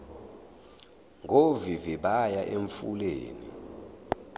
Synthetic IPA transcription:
ŋʱoviviɓajaʔeɱfulḛːnḭ

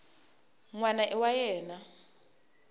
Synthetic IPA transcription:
ŋwanaʔɛwajɛːna

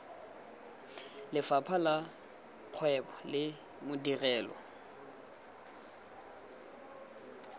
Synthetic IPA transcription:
lɪfapʰala | q͡χʰwɛpʰɔ̥lɪ | mʊdirɛːlɔ̰

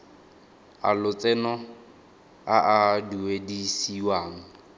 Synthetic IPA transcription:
a̰lʊt͡sʼɛnɔ | aʔaduwedisiwaːŋ̩

